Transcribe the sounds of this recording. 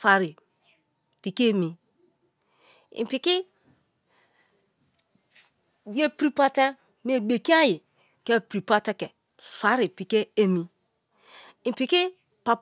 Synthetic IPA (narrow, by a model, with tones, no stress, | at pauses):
sa˨ɾi˨ | pi˨ke˦e˦mi˨ | ḭ˨pi˨ki˦ | je˦pɾi˦pa˦te˦ | m˦e˦ɡ͡be˨ki˦a˦ji˨ | ke˦pɾi˨pa˦te˦ke˨ | sa˨˦ɾi˨pi˨ke˦e˦mi˨ | ĩ˨pi˨ki˦ | pa˨p